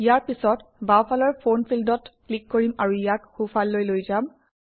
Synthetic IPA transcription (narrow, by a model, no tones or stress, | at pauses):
ijaɹpisɔtbawpʰalɔɹpʰonpʰildɔtklikːoɹimaɹuijatxupʰalːojlojzam